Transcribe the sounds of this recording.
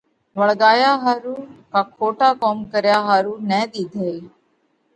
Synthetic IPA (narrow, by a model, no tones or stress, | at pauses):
ʋəɭɡaːjaːɦaːɾuːkaːkʰoːʈaːkoːmkəɾjaːɦaːɾuːnɛːd̪iːd̪ʱeːiː